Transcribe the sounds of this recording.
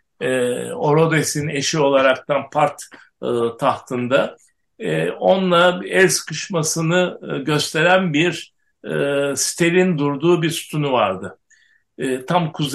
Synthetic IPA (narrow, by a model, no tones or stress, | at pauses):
ɛo̞ɾo̞d̪esine̞ʃio̞lˠaɾak̚t̪ʰanpʰaɾt̪ː | t̪ʰaht̪ʰɯnd̪a | ɛo̞nlˠaɛɾskʰɯʃmasɯnɯɟø̞st̪ʰe̞ɾænbiɾ | si̥t̪ʰe̞ɾind̪uɾd̪uːbiɾsu̥t̪ʰunuvaɾd̪ɯ | t̪ʰamkʰuz